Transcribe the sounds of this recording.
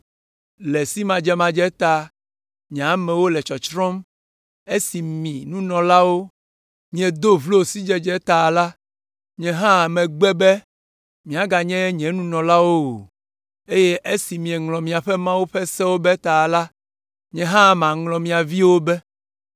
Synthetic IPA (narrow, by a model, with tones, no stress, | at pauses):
lɛ˨si˦mã˨d͡ʒɛ˦mã˨d͡ʒɛ˦t̪a˦ | ɲĩ˨a˨mɛ̃˨wo˦lɛ˨t͡ʃɔ˨t͡ʃɾɔ̃˦m | e˦si˨mĩ˨nũ˦nɔ̃˨la˦wo˦ | mĩ˨ɛ˨d̪o˦vlo˦˨si˦d͡ʒɛ˦d͡ʒɛ˦t̪a˨la˦ | ɲɛ̃˨ɦã˦˨mɛ̃˨ɡ͡bɛ˦bɛ˦ | mĩ˨a˨ɡa˨ɲɛ̃˦ɲɛ̃˨nũ˦nɔ̃˨la˦wo˦o˨ | e˦je˦ʔe˦si˨mĩ˨ɛ˨ŋlɔ̃˨mĩ˨a˨ɸɛ˦mã˦wu˦ɸɛ˦sɛ˦wo˦bɛ˦t̪a˨la˦ | ɲɛ̃˨ɦã˦˨mã˨ŋlɔ̃˨mĩ˨a˨vi˦wo˦bɛ˦